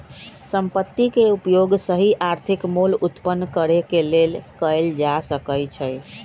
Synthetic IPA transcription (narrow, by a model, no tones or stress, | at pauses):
səmpət̪ːikeupjoɡsəɦiʔaɾt̪ʰikmulut̪pənːkəɾekelelkəjld͡ʒasəkəjt͡ʃʰəj